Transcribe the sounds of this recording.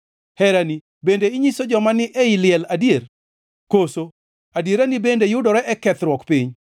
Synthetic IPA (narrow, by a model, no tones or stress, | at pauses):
hɛɾani | bendeɪɲisod͡ʒɔmanɪʔɛilɪɛladier | koso | adieɾanibendejʊdɔɾɛʔɛkɛt̪ɾwɔkpiɲ